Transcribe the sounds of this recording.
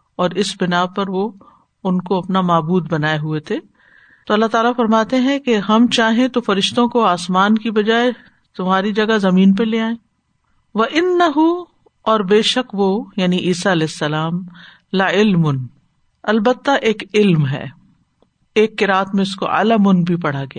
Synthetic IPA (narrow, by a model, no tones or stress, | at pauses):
ɔːɾɪsbɪnaːpɐɾʋo | ʊnkoɐpnamaːbuːd̪bɐnaːeɦuet̪ʰeː | t̪oɐlːaɦt̪aːlafɐɾmaːt̪eɦɛ̃keɦɐmt͡ʃaːɦẽt̪ofɐɾɪʃt̪õkoaːsmaːnkibɐd͡ʒaːe | t̪ʊmɦaːɾid͡ʒɐɡazɐmiːnp̬ɐleːaːẽː | ʋɐʔɪnːɐɦu | ɔːɾbeːʃɐkʋojaːniʔiːsaɐlɛːɪsːɐlaːm | lɐɪlmʊn | ɐlbət̪ːaʔeːkɪlmɦɛ̰ː | eːkːɪɾaːt̪mẽɪsko̰ʔa̰ləmʊnbʱipɐɽ̤aɡɐjaː